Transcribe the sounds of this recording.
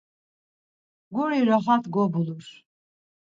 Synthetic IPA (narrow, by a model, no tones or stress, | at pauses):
ɡuɾiɾɔχat̪ʰɡɔbulus